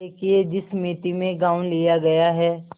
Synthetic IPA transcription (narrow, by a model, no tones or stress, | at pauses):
eːkʰied͡ʒɪsmiːt̪imẽɡãːwlijaɡɐjaɦɛː